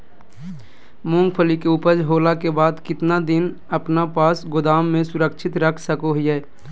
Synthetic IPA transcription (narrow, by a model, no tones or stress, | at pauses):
mʊ̃ŋɡpʰəlikeʊpəd͡ʒɦoːlakebaːd̪kɪt̪nad̪ɪn | əpnapaːsɡʊd̪aːmːẽsʊɾəkt͡ʃʰɪt̪ɾəkʰsəkoɦjɛː